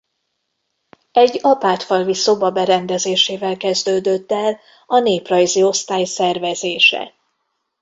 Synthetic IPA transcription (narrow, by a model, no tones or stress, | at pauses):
ɛɟːɒpaːt̪fɒlviso̞bɒbɛɾɛnd̪ɛzeːʃeːvɛlkɛzd̪øːd̪øt̪ːɛl | ɒneːprɒjzio̞st̪aːjsɛrvɛzeːʃɛ̰